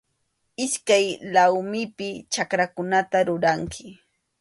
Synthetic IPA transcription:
ɪskajlawmɪpɪt͡ʃakɾakʊnat̪aɾʊɾaŋkʰɪ

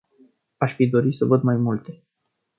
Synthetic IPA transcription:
aʃfid̪o̞ɾisəvəd̪majmult̪e̞

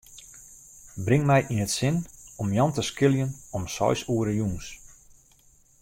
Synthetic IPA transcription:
brɪŋmɛjʔinətsɪnɔmjɔntəskɪljənɔmsɔ̰jsuəɾəjuns

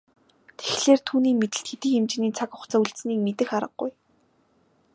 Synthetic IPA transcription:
t̪ʰe̥xɮeːrt̪ʰuːniːmet̪ɘ̆ɬt̪xet̪ĭːxemt͡ɕɪniːt͡sʰakʊ̥χt͡saːuɮt̪sniːkmet̪ɘ̆xaɾə̆q̚ːʊ̰j

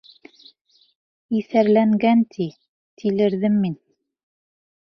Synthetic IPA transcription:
iθæɾlæŋɡænt̪ʰi | t̪ʰilɘ̆ɾðɘmːin

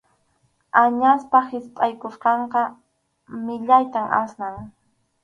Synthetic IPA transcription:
aɲaspahɪspʼajkʊsqɑɴqɑ | mɪʎajt̪ama̰snaŋ

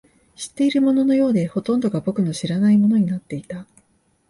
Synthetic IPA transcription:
ɕi̥t̪ːe̞iɾɯ̟mo̞no̞no̞jo̞ːd̪e̞ho̞t̪õ̞nd̪o̞ɡabo̞kɯ̟no̞ɕiɾanaimo̞no̞ɲ̟inat̪ːe̞it̪a

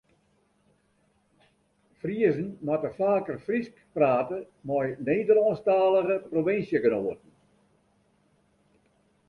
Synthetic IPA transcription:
friəzən̩matəfaːkərfriskpraːtə | mɔjneːdəlɔnstaːləɣəproʋɪnsjəɡənoːətn̩

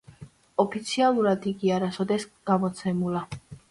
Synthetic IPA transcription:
ɔpʰit̪sʰialˠuɾad̪iɡiaɾasɔd̪ɛsɡ̥amɔt̪sʰɛmula

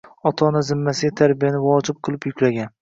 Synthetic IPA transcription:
ɒt̪ʰɒnazɪmːasɪɡʲat̪ʰaɾbijanɪvɒd͡ʒɪp̚qʰɨlˠɪpjʊkʲlaɡʲan

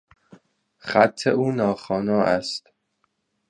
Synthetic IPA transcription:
xæt̪ʰːḛʔuːnɒːxɒːnɒːʔæst̪

